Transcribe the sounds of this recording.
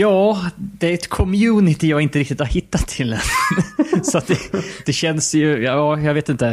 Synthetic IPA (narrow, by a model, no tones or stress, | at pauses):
jɑːd̪ɛæɾɛt̪kʰɔmjʉːnɪt̪ɪjɑːɡɪnt̪əɾɪkt̪ɪt̪haɾhɪt̪ːat̪ʰːɪlːɛn | sɔat̪̚d̪ɛd̪̥ɛɕɛnsjɵjɑːjɑːɡveːt̪ɪnt̪ə